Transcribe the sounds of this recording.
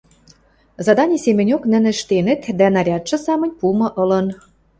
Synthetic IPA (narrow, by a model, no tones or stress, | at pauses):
zɑd̪ɑnʲisemɘ̆nʲoknə̆nɘ̆ʃt̪enĕt̪d̪ænɑɾʲɑt̪ʒɤ̆sɑmə̆nʲpumɤ̆ʔɤ̆lɤ̆n